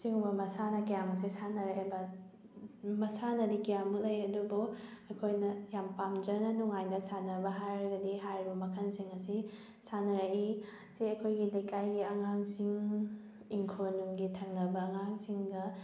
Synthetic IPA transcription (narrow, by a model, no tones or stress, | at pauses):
siŋbɐmɐsanɐkijamɐs̬isanɐɾebɐ | mɐsanɐdikijamulɐjɐdubuɐkʰojnɐjampamd͡ʒɐnɐnuŋajnɐsanɐbɐɦajɾɐɡɐdiɦaɾibɐmɐkʰɐnsiŋɐsi | sanɐɾɐi | siɐkʰojɡilɐjkajɡiɐŋaŋsiŋ | iŋkʰonuŋɡitʰɐŋnɐbɐːŋaŋsiŋɡɐ